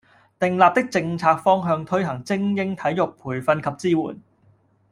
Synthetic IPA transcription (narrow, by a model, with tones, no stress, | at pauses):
t̪ɪ˨ŋlaː˨p̚t̪ɪ˥k̚t͡sɪ˧ŋt͡sʰaː˧k̚fɔː˥ŋɦœː˧ŋt̪ʰɵ˥ɥɦɐ˨˩ŋt͡sɪ˥ŋjɪ˥ŋt̪ʰɐ˨˥jʊ˨k̚pʰuː˨˩jfɐ˧nkʰɐ˨p̚t͡siː˥wṵː˨˩n